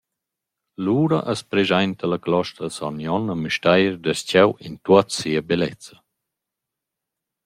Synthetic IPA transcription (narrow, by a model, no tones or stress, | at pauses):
luːɾa̰ʔəspɾezajnt̪əlaklɔʃt̪ɾəsanjɔnəmyʃtajɾd̪əscɛwint̪uat̪siabelɛ̰t͡sə